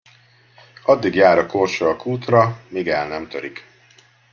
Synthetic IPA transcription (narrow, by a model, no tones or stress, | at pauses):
ɒd̪ːiɡjaːɾɒkorʃoɒkʰuːt̪rɒmiːɡɛlnɛmt̪øɾik